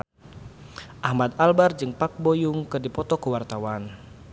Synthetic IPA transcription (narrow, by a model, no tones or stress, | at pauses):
ʔahmad̪albard͡ʒɨŋpak̚bojuŋkɨrdipɔt̪ɔkəwart̪awan